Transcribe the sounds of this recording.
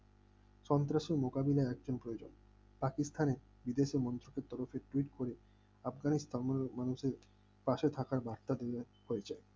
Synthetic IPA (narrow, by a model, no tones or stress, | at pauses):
ʃɔnt̪̬ɾaʃeɾmokabilaeɛkd͡ʑonpɾojod͡ʑon | pakist̪ʰane | bid̪eʃemɔnt̪ɾokeɾt̪ɔɾofeʈuiʈkoɾe | afɡanist̪ʰamanuʃeɾ | paʃet̪ʰakaɾbaɾt̪ad̪ee | hoed͡ʑae